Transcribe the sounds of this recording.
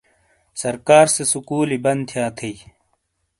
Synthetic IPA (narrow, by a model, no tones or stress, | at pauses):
sɐɾkaːɾsesukuːlibɐnt̪ʰijaːt̪ʰe